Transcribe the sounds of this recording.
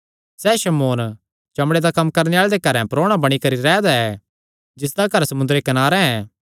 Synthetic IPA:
sɛːʃɐmoːn | t͡ʃɐmɽed̪akɐmːkɐɾneaːɭed̪ekɐɾɛ̃pɾoːɽ̃abɐɽ̃ikɐɾiɾɛːd̪aɛ | d͡ʒɪs̬d̪aɡɐɾsɐmʊnd̪ɾekɐnaːɾɛɛ̃ː

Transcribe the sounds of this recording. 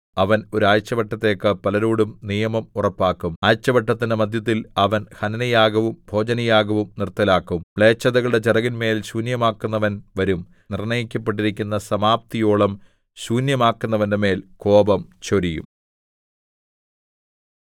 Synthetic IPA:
ɐʋɐno̞ɾuaːjt͡ɕːɐʋɐʈːɐt̪ːe̞ːkːɨpɐlɐɾuːɽumnijɐmɐmurɐpːaːkːumaːjt͡ɕːɐʋɐʈːɐt̪ːinɨmɐd̪ʱjɐt̪̬ːilɐʋɐnhɐnɐnɐjaːɡɐʋumbʱo̞ːd͡ʑɐnɐjaːɡɐʋumnirt̪ːilaːkːumɭe̞ːt͡ɕːɐðɐɣɐɭɨɽe̞t͡ɕerɐɣinme̞ːlɕuːnjɐmaːkːunːɐʋɐnʋɐɾum | nirɳɐjikʲːɐp̬ːe̞ʈ̬ːiɾikʲːunːɐsɐmaːp̚t̪ijoːɭɐm | ɕuːnjɐmaːkːunːɐʋɐndeme̞ːlko̞ːbɐmt͡ɕoɾijṵm

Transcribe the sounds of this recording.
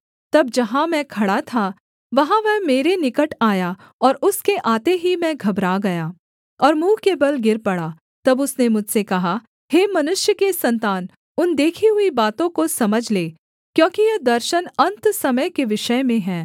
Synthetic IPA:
t̪ɐb̚d͡ʒɐɦãmɛ̃kʰɐɽat̪ʰa | ʋɐɦãʋɛɦmeːɾenɪkəʈaːja | ɔːɾʊskeʔaːt̪eɦimɛ̃ɡʱɐbɾaɡɐjaː | ɔːɾmũːkebɐlɡɪɾpɐɽa | t̪ɐbʊsnemʊd͡ʒʱsekɐɦa | heːmɐnʊʃjəkesɐ̃nt̪aːn | ʊnd̪eːkʰiɦʊibaːt̪õkosɐməd͡ʒʱleː | kjõːkijɐd̪ɐɾʃənɐ̃nt̪sɐməjkeʋɪʃəmẽɦɛ̃ː

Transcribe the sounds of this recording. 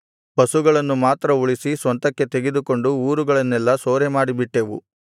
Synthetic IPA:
bɐsuɡɐɭɐnːumaːt̪ɾɐuɭisisʋɐnt̪ɐkːe̞t̪e̞ɡed̪uko̞ɳɖuuːɾuɡɐɭɐnːɛlːɐsoːɾemaːɽibiʈːeʋṵ

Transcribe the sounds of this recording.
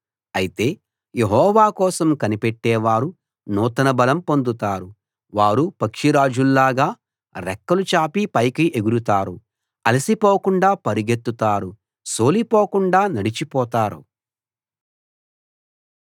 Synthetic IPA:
ɐjit̪e̞ː | je̞ɦɔːʋaːkɔːsɐmkɐnipeʈːɛːʋaːɾu | nɔːt̪ɐnɐbɐlɐmpond̪ut̪aːɾu | ʋaːɾupɐkʂiɾaːd͡ʒulːaːɡaː | ɾɛkːɐlut͡ʃaːpipɐjkiʔeɡuɾut̪aːɾu | ɐlisipoːkuɳɖaːpɐɾiɡet̪ːut̪aːɾu | so̞ːlipɔːkuɳɖaːnɐɽit͡ʃipɔːt̪aːɾṵ

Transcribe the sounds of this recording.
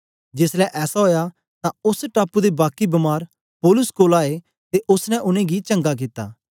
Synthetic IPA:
d͡ʒɪslɛʔɛːsaɦoːja | t̪ãʊsʈaːpud̪ebaːkːibɐmaːɾ | poːlʊskoːlaːe | t̪eʔʊsnɛ̃ʔʊnẽɡit͡ʃɐ̃ŋɡak̬ɪt̪ːa̰ː

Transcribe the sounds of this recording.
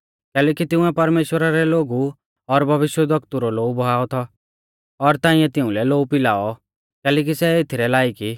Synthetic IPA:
kɛːlɛːkit̪ɪ̃ũɛpɐɾmeːʃwəɾaɾɛloːɡu | ɔɾbʱɐʋɪʃjɛd̪ɐkt̪uɾɔloːubʱɔɦaːɔt̪ʰɔ | ɔɾt̪ãːĩɛ̃t̪ɪũlɛloːupɪla̰ːɔ | kɛːlɛːk̬isɛet̪ʰiɾɛlaːiki

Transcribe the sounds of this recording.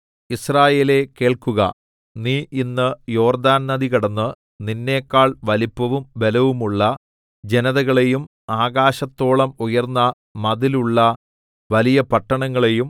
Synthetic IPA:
israːje̞ːle̞ke̞ːɭkuɣɐ̰ | niːʔinːɨjo̞ːrd̪aːnnɐd̪iɣɐɽɐnːɨ | ninːe̞ːkːaːɭʋɐlipːɐʋumʋe̞lɐʋumuɭːɐ | d͡ʑe̞nɐðɐɣɐɭe̞jum | aːɣaːɕɐt̪ːo̞ːɭɐmujɐrnːɐ | mɐðiluɭːɐ | ʋɐlijɐpɐʈːɐɳɐŋːɐɭe̞jum

